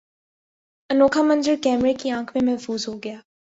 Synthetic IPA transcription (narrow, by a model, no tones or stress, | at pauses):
ənoːkʰamə̃nzəɾkɛːmɾekiãːkʰmẽmɛɦfuːzɦoɡəjaː